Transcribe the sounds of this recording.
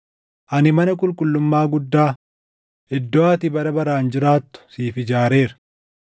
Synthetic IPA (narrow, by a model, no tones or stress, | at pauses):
ʔɐnɪmɐnɐkʼʊlkʼʊlːʊmːaːɡʊd̪ːaː | ʔɪd̪ːɔaːt̪ɪbɐɾɐbɐɾaːnd͡ʒɪɾaːt̪ːʊ̥siːfɪd͡ʒaːɾe̞ːɾ